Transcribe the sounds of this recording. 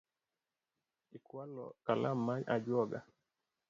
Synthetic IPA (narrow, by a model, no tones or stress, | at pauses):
ikwalɔ̰kalamːaɲa̰d͡ʒwɔɡa̰